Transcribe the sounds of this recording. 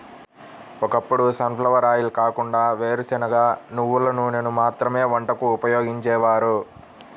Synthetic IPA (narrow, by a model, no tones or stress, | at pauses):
ɔkɐpːuɽusɐmpʰlɐʋɐɾaːjilkaːkuɳɖaːʋe̞ːɾusinɐɡaːnuʋːulɐnunenumaːt̪ɾɐme̞ːʋɐɳʈɐkuːpɐjoːɡiɲt͡ʃɛːʋaːɾu